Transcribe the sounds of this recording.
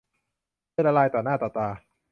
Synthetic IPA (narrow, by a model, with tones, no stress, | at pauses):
la˧laː˧jt̪ɔː˨˩naː˥˩t̪ɔː˨˩t̪aː˧